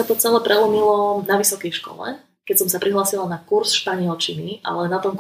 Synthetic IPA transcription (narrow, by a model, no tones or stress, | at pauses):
at̪ɔt͡sɛlɛpɾɛlumilɔnaʋisɔkɛjʃkɔ̰lɛ̰ | kɛcsɔmsapɾiɦlaːsilanakuɾsʃpaɲɪɛlt͡ʃiniʔa̰lɛnat̪ɔmk